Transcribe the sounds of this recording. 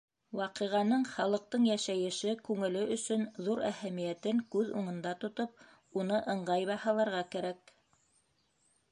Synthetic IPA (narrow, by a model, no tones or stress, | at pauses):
wɑqɤ̆ʁɑnɤɴχɑlˠɤ̆q̚t̪ɤɴjæʃæjɘ̆ʃɘkʉŋɘ̆lɘʔɵ̆sɵnðuɾæhæmijæt̪ɘŋkʉðṵɴɤ̆nd̪ɑt̪ŏt̪op̚ | unɤʔɤ̆ɴɢɑjβɑhɑlˠɑɾʁɑkæɾæk̚